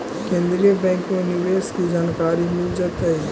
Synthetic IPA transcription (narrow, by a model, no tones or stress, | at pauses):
kẽːnd̪ɾiebɛ̃ːŋkmẽnjiʋeːskʰizaːnkaːɾimʊd͡ʒət̪ɐiː